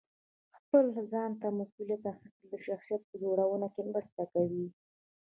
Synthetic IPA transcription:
xpəlzɑnt̪amasulijat̪axɪst̪əld̪əʃaxsijat̪̚pəd͡ʒoɽawənokemɾəst̪akawi

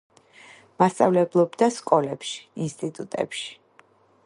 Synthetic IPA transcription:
mast̪sʼavlɛblˠɔbd̪askʼɔlɛpʃi̥inst̪ʼit̪ʼut̪ʼɛ̰pʃi̥

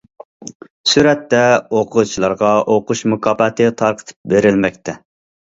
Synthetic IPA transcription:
syɾɛt̪ːɛoqʰʊt͡ʃʰilˠɑɾʁɑʔoqʰʊʃmʊkʰɑːbɑt̪ʰɨt̪ʰɑɾqʰə̥t̪ʰɨ̥p̚beɾɪlmɛk̚ʲt̪ʰɛ

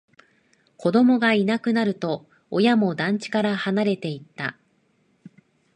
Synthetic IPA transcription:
ko̞d̪o̞mo̞ɡainakɯ̟naɾɯ̟t̪o̞ː | jamo̞d̪ãɲ̟t͡ɕi̥kaɾahanaɾe̞t̪e̞it̪ːa̰

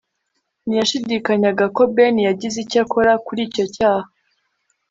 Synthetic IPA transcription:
nijaʃidikaɲaɡako̞benijaɟizicakʰo̞ɾakuɾiːco̞caːha

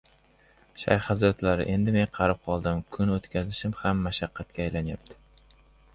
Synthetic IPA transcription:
ʃa̰jhɑzɾat̪laɾɪ̰ʔe̞nd̪ɪme̞nqʰɑɾɪp̚qʰɒlˠd̪ɪmkʰʊnot̪kʲʰazɪʃɪmhamːaʃaqʰːɑt̪̚kʲaːjlanjap̚t̪ʰɪ̥

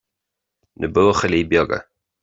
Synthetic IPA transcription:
nʔəboːxəliːbjɔɡə̰

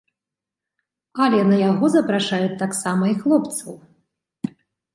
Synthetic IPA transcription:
ɐlʲɛnɐjaɣɔzɐpɾaʂajut̪ːaksamɐixlˠɔpt̪sɐw

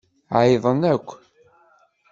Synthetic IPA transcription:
ʕjðˤənækʷː

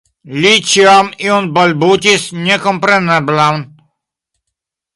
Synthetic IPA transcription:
lʲit͡ɕiamiɔnbɔlʲbutʲisɲʲɛkɔmpɾɛnɛblawn

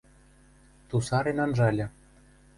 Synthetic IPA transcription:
t̪usɑɾenɑnʒɑlʲɘ̆

